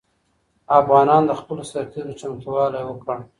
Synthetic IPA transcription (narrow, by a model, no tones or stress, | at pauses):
afɣɑnɑnd̪əxpəlosaɾt̪ʰizot͡ʃamt̪uwɑlajwəkɽa